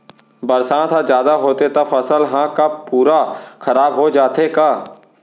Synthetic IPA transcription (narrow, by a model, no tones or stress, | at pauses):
bəɾsãːt̪ʰad͡ʒjaːd̪aɦoːt̪et̪afɐsəlɦãkapuːɾakɐɾaːbɦod͡ʒaːt̪ekaː